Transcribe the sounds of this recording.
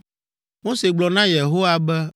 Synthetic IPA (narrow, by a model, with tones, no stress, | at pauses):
mo˦se˨ɡ͡blɔ˨nã˦je˨ɦo˦wa˨bɛ˦